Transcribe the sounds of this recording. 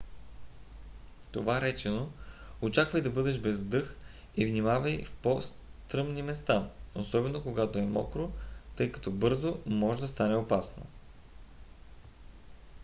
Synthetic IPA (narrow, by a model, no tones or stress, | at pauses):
t̪ovaɾɛt͡ʃɛnoot͡ʃakvɐjd̪ɐbɤd̪ɛʃbɛzd̪ɤx | ivnimavəjfpɔs | t̪ɾɤmnimɛst̪aosɔbɛnokoɡat̪oɛmɔ̰kɾot̪ɤjkɐ̥t̪ɔbɤɾzomɔʒɛd̪ɐst̪anɛopasno̰